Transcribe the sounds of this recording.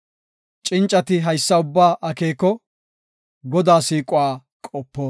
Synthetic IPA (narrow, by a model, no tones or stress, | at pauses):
t͡ʃʼɪnt͡ʃʼːɐt̪ɪɦɐjsːɐʊbːaːʔɐkeːkːɔ | ɡɔd̪aːsiːkʼʊwaː | kʼɔpːoː